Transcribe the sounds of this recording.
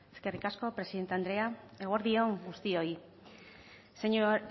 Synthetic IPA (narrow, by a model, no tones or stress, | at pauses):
e̞ske̞rikasko̞pɾe̞siðe̞nt̪eand̪ɾe̞aeɣoɾðio̞ŋɡust̪io̞i | se